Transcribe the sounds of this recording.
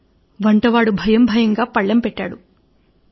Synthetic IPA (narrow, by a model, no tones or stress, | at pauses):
ʋɐɳʈɐʋaːɽubʱɐjɐmbʱɐjɐŋɡaːpɐɭːɐmpɛʈːaːɽu